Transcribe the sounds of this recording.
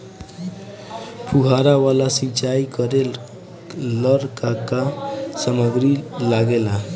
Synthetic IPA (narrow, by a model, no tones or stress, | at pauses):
puɦaɾawalasit͡ʃaikʌɾe | ləɾkakasəməɡɾilaɡela